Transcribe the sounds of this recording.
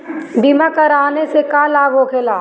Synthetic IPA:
ɖimakɐɾaːnesekaːlaːɡɦokʰeːlaː

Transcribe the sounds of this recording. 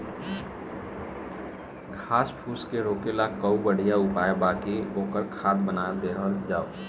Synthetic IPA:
ɡʱaːspʰuːskeɾoːkelakəubəɽ̤ijaʊpaːjebaːkioːkəɾkʰaːt̪̚bənaːd̪eːɦəld͡ʒaːo

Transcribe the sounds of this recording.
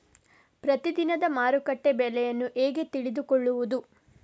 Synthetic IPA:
pɾɐt̪id̪inɐd̪ɐmaːɾukɐʈːe̞bɛlɛjɐnːuʔe̞ːɡe̞t̪iɭid̪ukɔɭːuʋud̪u

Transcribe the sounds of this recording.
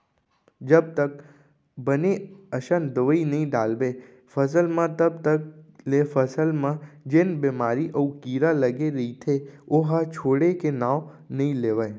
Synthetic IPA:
d͡ʒəb̚t̪ək | bəneəʃənd̪əʋəinəɦĩɖalʋe | fʰəs̬əlmãt̪əb̚t̪əklefəsəlmãd͡ʒenbemaɾiʔəũkiɾaləɡeɾəɦit̪ʰeoɦat͡ʃʰoɽekenaʋ | nəĩleʋaj

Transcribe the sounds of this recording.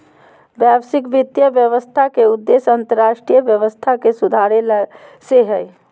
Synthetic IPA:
bjaːbsɪkʋɪt̪jəʋjəʋəst̪ʰakeʊd̪ːeːsə̃nt̪əɾːaːʃʈɾijəʋjəʋəst̪ʰakesud̪ʱaːɾelseɦɛ

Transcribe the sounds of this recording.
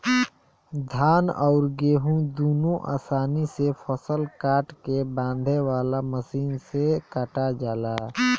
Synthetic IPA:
d̪ʱaːnɔːɾɡeːɦũd̪uːnõʔa̰ːsaːnisefʰəsəlkaːʈkebãːnd̪ʱewaːlaməsiːnsekəʈad͡ʒaːlaː

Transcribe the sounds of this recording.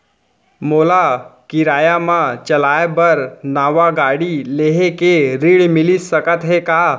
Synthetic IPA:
molakiɾajamãt͡ɕəlajbəɾnaʋaɡaɽileɦekeɾiɭmilisəkət̪ɦeka

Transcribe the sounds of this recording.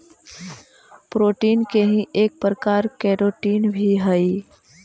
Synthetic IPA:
pɾoːʈiːnkeɦĩʔeːk̚pɾəkaːɾkɛːɾoːʈiːnbʱiɦəi

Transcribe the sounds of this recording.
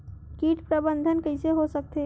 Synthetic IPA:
kiʈpɾəbənd̪ʱənkəɪseɦosək̚t̪e

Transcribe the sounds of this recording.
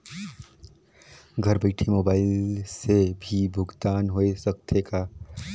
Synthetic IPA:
ɡʱəɾbəɪʈʰimoːbaːɪlsebʱibʱʊɡt̪aːnɦoesək̚t̪ʰeka

